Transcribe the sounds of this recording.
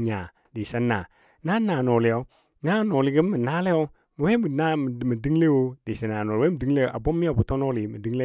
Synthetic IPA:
ɲa˨ | di˨sa˦nːa˨ | na˦na˨no˨li˨jo˦ | na˦˨˦no˨li˨˦ɡi˦mː˦i˨naː˦le˦jo˦ | mi˨we˦bna˦˨mi˨di˦ŋle˦wo˦di˨si˨naː˨no˨lwe˦mi˨di˦ŋ˦le˦˨ʔa˨bo˦mːi˦o˨bu˨˦to˦no˦li˨mi˨di˦ŋle˦

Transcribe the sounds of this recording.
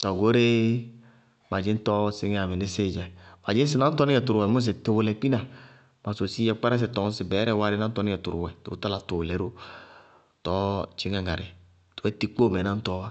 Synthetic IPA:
tɔ˨ɡo˦ɾe˦ | ma˨d͡ʒɪ˦n˦tɔ˦si˦ŋ˦a˨me˨nɪ˦se˦˨d͡ʒa˨ma˨d͡ʒi˦n˦s̬i˦na˦tɔ˦nɪ˦ɛ˨tu˨ɾu˨wɛ˨mu˦s̬e˨te˨wo˨lɛ˨pi˦na˨ | ma˨so˨si˦jɛ˨k͡pa˦ɾa˦s̬ɛ˨tɔ˨ŋ˦si˨bɛ˨˦ɾɛ˦˨wa˦ɾe˦nã˦n̩˦tɔ˦ni˦ɛ˨tu˨ɾu˨wɛ˨tṵ˨o̰˦ta˦la˨to˨wlɛ˨˦ɾo˦˨ | tɔ˦t͡ʃi˨˦ŋa˨ŋa˨ɾe˨ | tu˨wɛ˦ti˦k͡po˦˨mɛ˨na˦n̩˦tɔ˦wa˦

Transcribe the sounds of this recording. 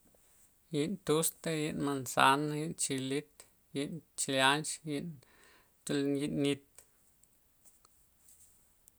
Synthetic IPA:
ji˧˨ʔnt̪u˦st̪e˦ji˧ʔnma˧nsa˧˦naji˧˦ʔnt͡ʃi˧li˦t̪ | ji˧ʔnt͡ʃi˧la˦nt͡ʃji˧n | t̪u˧lji˧nni˧t̪

